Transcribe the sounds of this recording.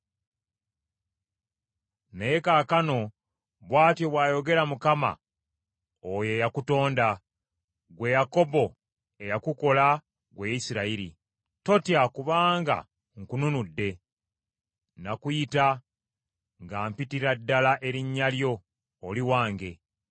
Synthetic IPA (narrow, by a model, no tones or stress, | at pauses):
ne̞kaːkano̞ | βwaːtjo̞βwaːjo̞ɡe̞ɾamukama̰ | oje̞jakuto̞ːnda | ɡwe̞jako̞bo̞ | e̞jakuko̞la | ɡweisiɾaiɾḭ | to̞tjakuβaːŋɡa̰ | ŋkununudːe̞ | nakujita | ŋɡaːmpitiɾadːalaʔe̞ɾiɲːaljo̞ː | liwaːŋɡe̞